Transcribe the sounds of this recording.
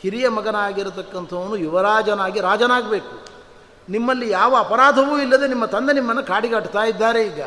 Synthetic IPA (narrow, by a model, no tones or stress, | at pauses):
hiɾijɐmɐɡɐnaːɡiɾut̪ɐkːɐnt̪ʰɐʋɐnujuʋɐɾaːd͡ʒɐnaːɡiɾaːd͡ʒɐnaːɡɐbe̞ːku | nimːɐlːijaːʋɐːpɐɾaːd̪ʱɐʋuːilːɐd̪e̞nimːɐt̪ɐnd̪enimːɐnːɐkaːɽiɡɐʈt̪aːjid̪ːaːɾe̞iːɡɐ